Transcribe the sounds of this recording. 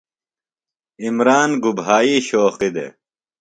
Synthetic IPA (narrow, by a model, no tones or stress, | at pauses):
imɾaːnɡubɦaːiːɕoːqid̪ḛ